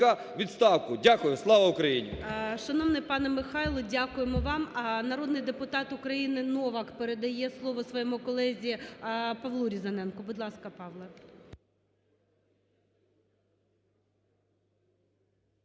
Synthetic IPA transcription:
ɐ | ʋʲidt̪st̪ɑwkʊdʲakʊjʊslˠɑʋɐʊkɾɐjinʲḭʃɐnɔʋnɪpɑnɛmɪxɑjlˠɔdʲakʊjemɔʋɑmnɐɾɔd̪nɪjd̪epʊt̪ɑt̪ʊkɾɐjinɪnɔʋɐkpeɾed̪ɐjɛslˠɔʋɔsʋɔjɛmʊkɔlˠɛzʲipɐʋlˠuɾʲizɐnɛnkɔbʊd̪lˠɑskɐpɑʋlˠɐ

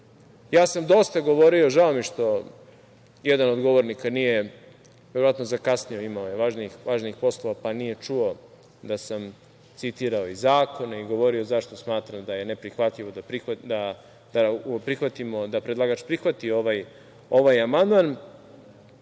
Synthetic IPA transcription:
jaːsamd̪o̞st̪aɡo̞ʋo̞ɾio̞ʒao̞miʃt̪o̞ | jed̪anod̪ɡoʋoɾnikanije | ʋeɾoʋat̪no̞zakasnio̞imaojeʋaʒnixʋaːʒnixpo̞slˠo̞ʋapanije̞t͡ʃuo̞ | d̪asam | t̪sit̪iɾao̞izaːko̞neiɡo̞ʋo̞ɾio̞zaʃt̪o̞smaːt̪ɾamd̪aje̞nepɾixʋat̪ʎiʋo̞d̪apɾixʋad̪a | d̪̥apɾixʋat̪imo̞d̪apɾed̪lˠaːɡat͡ʃpɾixʋat̪io̞ʋaj | o̞ʋajamand̪man

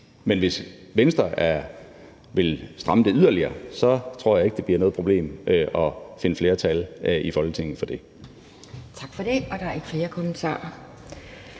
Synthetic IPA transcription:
menʋe̝sʋensd̥ʁɐæɐ | ʋe̝lsd̥ʁɑ̈məd̥e̝yðˠɐliɐːsɒ̽t͡sʰʁo̝ɐ̰jɑ̈e̝ɡ̥d̥e̝b̥liɐnɔ̽ðˠpʰʁo̝b̥le̝̰ːmʔʔɒ̽fe̝nəfle̝ːɐt͡sʰælʔifɒ̽lɡ̥ət͡sʰe̝ŋ̰n̩ˠfɒ̽d̥e̝ | t͡sʰɑ̈ɡ̥fɒɾ̥e̝ɒ̽d̥ɑ̈æɐeɡ̥fle̝ːɐkʰomənt͡sʰɑ̰̈ːɐ

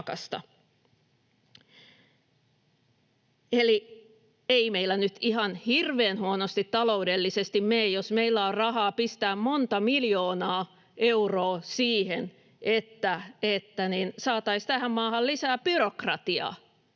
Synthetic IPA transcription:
kɑ̰st̪ɑ̰ | eli | eimeilːˑænyt̪ihɑnhirʋeːnhuonost̪it̪t̪ːɑlo̞udelːisest̪immeːjjosmeilːæorrɑhɑːpist̪æːmmont̪ɑmiljoːnɑː | ʔeuroːsiːhen | ʔet̪ːæet̪ːæninsɑːt̪ɑist̪æhæmmɑːhɑllisæːb̥yrokrɑt̪iɑ̰ː

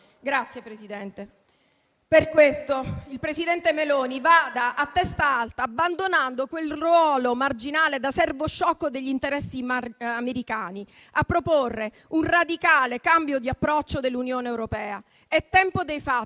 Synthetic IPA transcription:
ɡɾat̪sjepɾesid̪ɛnt̪e | perkwest̪oilpɾesid̪ɛnt̪emeloːnivad̪aʔːt̪ːɛst̪aalt̪aːbːand̪onand̪okwelrwɔːlomard͡ʒinaːled̪asɛrvoʃːɔkːod̪eʎːint̪eɾɛsːiameɾikaːni | apːɾoporːe | unrad̪ikaːlekambjod̪iapːɾɔt͡ʃːod̪elːunjoːneːwɾopɛːa | ɛt̪ːɛmpod̪ejfa

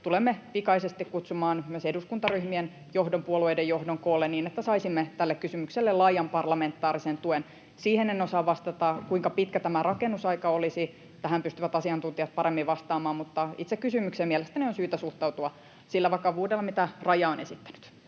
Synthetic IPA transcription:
t̪ulemːeʋikɑisest̪ikkut̪sumɑːnmyøseduskunt̪ɑryhmien | johdompuoluejdejohdoŋkoːlːenniːnet̪ːæsɑisimːet̪ælːekkysymykselːelɑijɑmpɑrlɑment̪ːɑːrisent̪uen | siːhenenosɑʋʋɑst̪ɑt̪ɑkuiŋkɑpit̪kæt̪æmærɑkenːusɑikɑolisi | t̪æhæmpyst̪yʋæt̪ɑsiɑnt̪unt̪iɑt̪̚pɑɾemːiʋʋɑst̪ɑːmɑːmmut̪ːɑḭt̪sekːysymyksemiɛlest̪ænionsyːt̪æsuht̪ɑut̪uɑ | silːæʋɑkɑʋuːdelːɑmit̪ærɑjɑonesit̪ːæ̥ny̥t̪

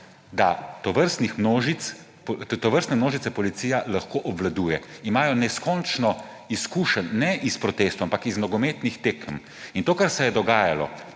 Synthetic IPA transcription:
d̪at̪ɔʋəɾst̪nixmnoːʒit̪s | pt̪ɔʋəɾst̪nɛmnoːʒit̪sɛpɔlit̪siːjalaxkoʔɔbʋlad̪uːjɛimaːjɔnɛskɔnt͡ʃnɔ | iskuːʃənːɛʔispɾɔt̪est̪oampakizmnɔɡɔmeːt̪nixt̪eːkm | int̪oːkaɾsɛjɛd̪ɔɡaːjalɔ̰

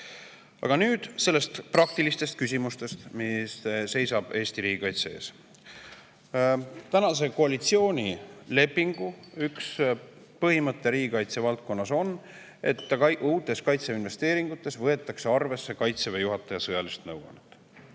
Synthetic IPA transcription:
ɑ̰ɡ̥ɑnyːd̪̥se̞lːe̞st̪prɑk̚t̪ilist̪e̞st̪̚kys̬ʲimust̪e̞st̪misse̞jsɑb̥e̞ːst̪iɾiːɡikɑjt̪seḛːs | t̪ænɑs̬e̞koɑlit̪sio̞ːnʲile̞pːiŋɡ̥uyks | pɤɦimɤt̪ːeɾiːɡikɑjt̪se̞vɑlt̪̚ko̞nːɑso̞n | e̞t̪ːˑuːt̪ːˑe̞skɑjt̪seinve̞st̪e̞ːɾiŋɡ̥ut̪ːˑe̞svɤet̪ːˑɑkse̞ɑrve̞sːe̞kɑjt̪sevejuɦɑt̪ːˑɑjɑsɤjɑlist̪nɤwɡo̰net̪ːˑ

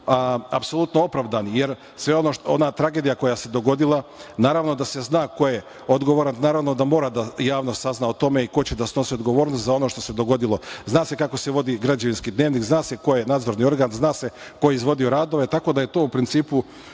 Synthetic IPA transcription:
aapso̞lˠut̪noo̞pɾaʋd̪anije̞ɾ | sʋeonoʃo̰nat̪ɾaɡe̞d̪ijako̞jase̞d̪o̞ɡo̞d̪ilˠanaːɾaʋno̞d̪ase̞znaːko̞je | od̪ɡoʋoɾannaːɾaʋno̞d̪amo̞ːɾad̪ajaːʋnost̪saznaot̪o̞meiko̞t͡ɕed̪asnosiod̪ɡo̞ʋo̞ːɾnost̪zao̞noʃt̪o̞se̞d̪o̞ɡo̞d̪ilˠoznaːse̞kako̞se̞ʋo̞d̪iɡɾad͡ʑaʋinskid̪ne̞ːʋniːkznaːse̞ko̞jenaːd̪zo̞ɾnio̞ɾɡaːnznaːse̞ | ko̞jeizʋo̞d̪io̞ɾaːd̪o̞ʋe̞t̪ako̞d̪aje̞t̪o̞ːupɾint̪siːpu

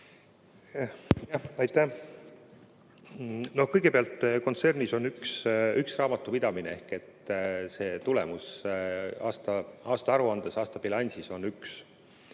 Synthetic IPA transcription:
jɑɑjt̪ːæ | no̞hkɤjɡ̥e̞peɑlt̪ˑːko̞nt̪se̞rniso̞nyksyksrɑːmɑt̪ːˑupid̪ɑminee̞hke̞t̪ːse̞ːt̪ulḛmus | ɑːst̪ɑʔɑːst̪ɑɑɾuɑnd̪̥esɑːst̪ɑb̥ilɑnʲsiso̞nyks

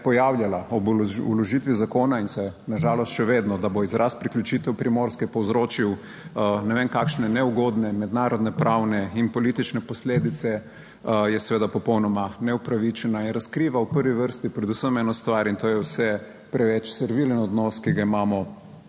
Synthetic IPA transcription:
pɔjawljalaɔbulɔʒit̪ʋizakoːnainsɛnaʒaːlɔst̪ʃɛʋeːd̪nɔd̪aboizɾʔaspɾiklʲjut͡ʃit̪ɛwpɾimoɾskɛpɔwzɾoːt͡ʃiw | nɛʋeːnkakʃnɛnɛuɡoːd̪nɛmɛd̪naːɾɔd̪nɛpɾʔawnɛinpɔliːt̪it͡ʃnɛpɔsleːd̪it̪sɛ | jɛsɛʋeːd̪apɔpɔwnɔmanɛupɾaʋit͡ʃɛnainɾɐskɾiːʋawpəɾʋiʋəɾst̪ipɾɛd̪usəmɛːnɔst̪ʋaɾint̪oːjɛwsɛ | pɾɛʋɛt͡ʃsɛɾʋilənɔd̪nɔskiɡaimaːmɔ

